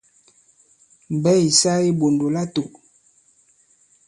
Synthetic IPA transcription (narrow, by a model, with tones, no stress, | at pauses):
m˨bɛ˦i˨sa˦i˦bo˨ndo˨la˦to˨